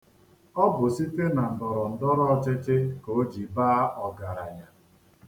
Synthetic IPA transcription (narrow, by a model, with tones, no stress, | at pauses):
ɔ˦bʊ˨si˦te˦na˨n̩˨bɔ˨ɾɔ˨n̩˨dɔ˦ɾɔ˦ɔ˦t͡ʃɪ˦t͡ʃɪ˦ko˨˦d͡ʒi˨baː˦a˦ʔɔ˨ɡa˨ɾa˨ja˨